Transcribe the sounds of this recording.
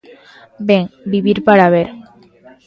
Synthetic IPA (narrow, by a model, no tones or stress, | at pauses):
beŋbibiɾpaɽaβeɾ